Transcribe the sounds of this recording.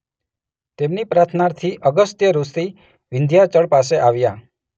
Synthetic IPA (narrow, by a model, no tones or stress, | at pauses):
t̪emnipɾat̪ʰnaɾt̪ʰiʔəɡəst̪jəɾust̪i | ʋɪnd̪ʱjat͡ʃəɽpas̬eʔaʋja